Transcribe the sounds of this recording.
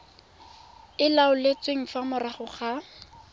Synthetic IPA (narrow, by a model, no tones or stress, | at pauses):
ɪlaʊlet͡sweŋ̩famʊraχʊχa